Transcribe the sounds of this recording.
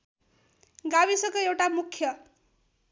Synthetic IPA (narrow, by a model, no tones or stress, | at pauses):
ɡabisʌkoewʈamukʰjʌ